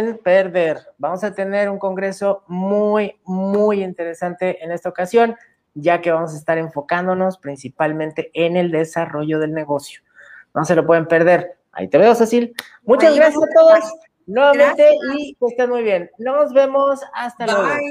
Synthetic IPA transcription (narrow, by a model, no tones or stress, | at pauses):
npeɾðe̞ɾbamo̞sat̪e̞ne̞ɾuŋko̞ŋɡɾe̞so̞mujmujint̪e̞ɾe̞sant̪e̞ʔene̞st̪aokasjo̞n | ɟ͡ʝake̞βamo̞s̬aest̪aɾe̞ɱfo̞kand̪o̞no̞spɾinsipalmẽnt̪e̞ʔene̞ld̪e̞saro̞ʝo̞ðe̞lne̞ɣo̞sjo̞̥ | no̞se̞lo̞p̬we̞ðe̞mpe̞ɾðe̞ɾ | a̰ḭt̪e̞βeosasil | mut͡ʃazɣɾasjasat̪o̞ðo̞s | nwe̞βamẽ̞nt̪e̞it̪est̪anmujβje̞nːo̞zβe̞mo̞sast̪alweɣo